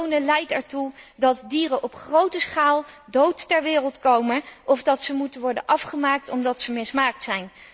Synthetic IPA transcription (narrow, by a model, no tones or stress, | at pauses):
wnəlɛjtɛɹtudɑtdiːrənʔɔpχrowtəsχaːlˠdowttɛɹʋɪːrəlˠtkowmənʔɔvdɑtsəmutənʋɔɹdə̰nʔɑfχəmaːk̚tɔmdɑtsəmɪsmaːk̚tsɛjn